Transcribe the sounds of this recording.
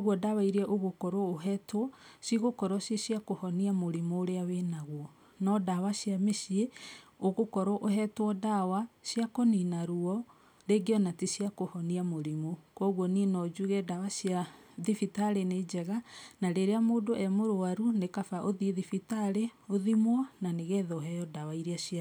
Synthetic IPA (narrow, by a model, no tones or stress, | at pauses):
oɣwɔdawaiɾeɛʔoɣokɔɾɔoɦɛtwɔsiɣokɔɾɔsisiakohɔniamoɾimoɾeawenaɣwɔ | nɔdawasjameʃieoɣokɔɾɔʔoɦɛtwɔdawasjakoninaɾuɔ | ɾeɡeɔnatisiakohɔniamoɾimokwɔɣwɔninɔd͡ʑuɣɛdawasja | ðifitaɾened͡ʑɛɣanaɾeɾeamoːndoʔɛmoɾowaɾunekafaʔoðiðifitaɾeoðimwɔnaneɣɛːðɔɦɛjɔdawaiɾeasia